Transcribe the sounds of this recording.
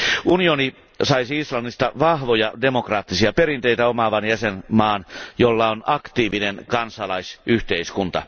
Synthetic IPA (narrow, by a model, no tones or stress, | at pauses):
unioni | sɑisiislɑnːist̪ɑʋɑhʋojɑde̞mokrɑːt̪ːisiɑpeɾint̪eit̪æomɑʋɑnjæsenmɑːnjolːɑonɑkt̪iːʋinenkɑnsɑlɑisʔyht̪eiskunt̪ɑ̰